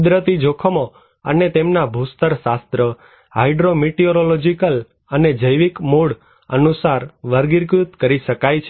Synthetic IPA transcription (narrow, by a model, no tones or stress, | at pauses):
kud̪ɾət̪id͡ʒokʰəmo | ə̰net̪emnabʱust̪əɾʃast̪ɾə | ɦaiɖɾomiʈioɾolod͡ʒikəl | əned͡ʒəjʋikmuɽ | ə̰nusaɾʋəɾɡiɾkɾut̪kəɾiʃəkajt͡ʃʰ